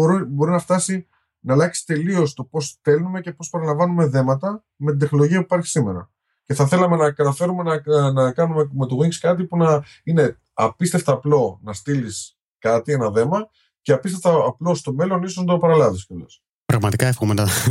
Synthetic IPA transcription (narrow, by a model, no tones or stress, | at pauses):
ibo̞ɾinɐft̪ɐsi | nɐːlɐksi̥t̪e̞lio̞st̪o̞po̞sθe̞lnume̞ce̞po̞spɐɾɐlɐ̃ɱvɐnume̞ðe̞mɐt̪ɐ | me̞t̪id̪e̞xno̞lo̞ʝiɐpui̥pɐɾçi̥sime̞ɾɐ̰ | ce̞θɐθe̞lɐmenɐkɐt̪ɐfe̞ɾume̞nɐnɐkɐnumeme̞t̪oɣiŋɡskɐt̪̬ipunɐ | ine̞ | ɐpist̪eft̪ɐːplo̞nɐst̪ilis | kɐt̪ie̞nɐðe̞mɐ | ce̞ɐpist̪eft̪ɐːplo̞st̪o̞me̞lo̞nisonɐd̪opɐɾɐlɐðiskɐlo̰s | pɾɐɣmɐt̪ikɐefxomenɐ